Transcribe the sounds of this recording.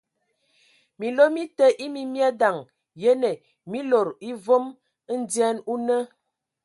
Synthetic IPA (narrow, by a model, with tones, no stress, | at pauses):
mi˨lo˦mi˦tə˦ʔi˦mi˦mja˦da˨ŋ | je˦ne˨ | mi˦lo˨ɾi˦vo˦m˦ | n̩˦djɛ˦nu˦nə˦